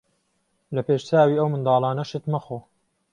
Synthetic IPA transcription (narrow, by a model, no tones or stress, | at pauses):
lɐpeːʃt͡saːwiːɐwmɨnd̪ɑːlˠaːnɐʃɨt̪mɐxoː